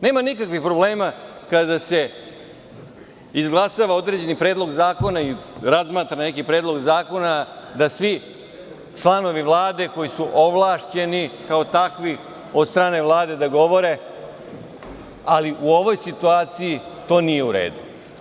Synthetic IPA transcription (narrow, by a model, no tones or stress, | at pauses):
ne̞ːmanikakʋixpɾobleːmakad̪ase̞ | izɡlˠasaʋao̞d̪ɾe̞d͡ʑe̞nipɾeːd̪lo̞ɡzaːko̞naiɾazmaːt̪ɾane̞kipɾeːd̪lo̞ɡzaːko̞nad̪asʋi | t͡ʃlˠano̞ʋiʋlˠaːd̪e̞ko̞jisuʔoʋlˠaːʂt͡ɕe̞nikao̞t̪akʋi | o̞d̪st̪ɾaːne̞ʋlˠaːd̪e̞d̪aɡo̞ʋo̞ɾe̞ | aliʔuo̞ʋo̞jsit̪uaːt̪sijit̪o̞ːnije̞uɾḛːd̪u